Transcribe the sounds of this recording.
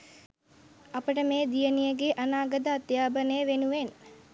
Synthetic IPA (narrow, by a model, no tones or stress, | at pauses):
apəʈəmeːd̪ijənijəɡeʔanaːɡəd̪aːt̪jaːbənəjəʋenuʋen